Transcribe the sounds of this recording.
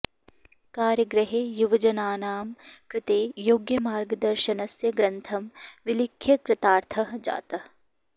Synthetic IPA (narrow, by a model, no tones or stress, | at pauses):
kaːɾjɐɡɾɐɦeːjuʋɐd͡ʒɐnaːnaːmkɾɪt̪eːjoːɡjɐmaːɾɡɐd̪ɐɾʃɐnɐsjɐɡɾɐnt̪ʰɐmʋilɪkʰːjɐkɾɐt̪aːɾt̪ʰɐɦd͡ʒa̰ːt̪ɐɦ